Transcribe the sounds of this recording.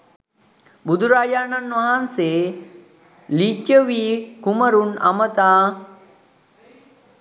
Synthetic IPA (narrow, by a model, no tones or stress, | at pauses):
bud̪uɾaːjaːnanʋaɦanseː | lit͡ʃːəʋiːkuməɾuna̰mət̪aː